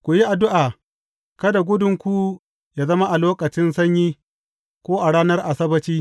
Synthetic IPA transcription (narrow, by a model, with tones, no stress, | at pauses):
kʷu˨ji˦ʔa˨dʊ˦ʔaː˨ | kɐ˦da˨ɡʷʊ˦dʊ˨ŋkʷu˦ | jaː˨zɐ˦ma˦ʔa˨loː˦kɐ˨t͡ʃɪ˦nsɐ˦ɲjiː˦ | kʷoː˦ʔa˨ɽaː˦nɐ˦rʔa˨sɐ˦bɐ˨t͡ʃiː˦